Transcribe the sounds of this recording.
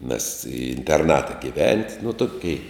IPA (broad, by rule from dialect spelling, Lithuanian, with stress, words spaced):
mʲɛs ɪ ɪnʲtʲɛrˈnɑːtɐ ɡʲɪˈʋʲɛnʲtʲ nʊ ˈtoːkʲɛɪ